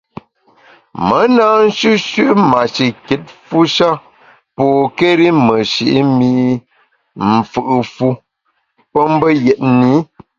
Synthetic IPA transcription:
mə˨˦na˦n̩˦ʃʉ˦ʃʉ˦ʔma˨ʃi˨ke˨˦t̚fu˦ʃa˦ | poː˨ke˦ɾi˦mə˨ʃi˨ʔi˦mi˦ | m̩˨fɨ˦˨ʔɨ˨fu˦ | pə˦m˦bə˦jɛ˨t̚ni˦

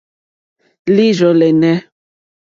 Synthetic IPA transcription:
li˦ʒɔ˨lɛ˨nɛ˦

